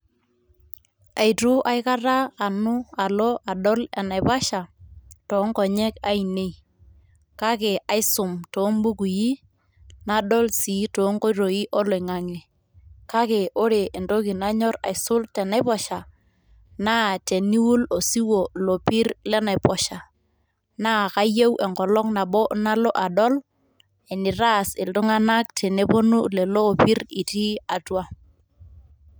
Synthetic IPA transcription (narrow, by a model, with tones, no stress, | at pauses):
a˨jtʊ˦ʔa˦jka˦raː˦˨nʊ˦a˨lɔ˦ʔa˨ɗɔ˦lɛ̰˨na˨jpa˦ʃa˨tɔ˨˦ŋkɔ˨ɲɛ˦ka˦i˨ne˦i˨ | ka˦ke˨a˨jsʊ˨mtɔ˨˦ŋbu˦ku˨ji˦ | na˦ɗɔ˦lsi˨˦tɔ˨˦ŋkɔ˦ɾo˨i˦ʔɔ˦lɔ˨ɪ˨ŋa˨ŋɛ˨ | ka˦ke˨ʔo˦ɾe˨ʔːndo˦ki˨na˦ɲɔ˦ɾa̰˨ɪ˨sʊ˦ltɛ˨na˦pɔ˦ʃa˨ | na˦te˨ni˦wu˦lo˨si˦wo˨lo˨pi˦rlɛ˦na˨ɪ˨pɔ˨ʃa˨ | na˦˨ka˦je˦wʔɛ˨ŋkɔ˨lɔ˦ŋna˨bɔ˦na˦lɔ˦ʔa˨dɔ˦l | e˨nɪ˨ɾa˦sɪ˨ltʊ˦ŋa˦na˦k̚tʰe˨ne˦po˦nu˦lɛ˨loː˦˨pi˦ri˨ti˦a˨twa˦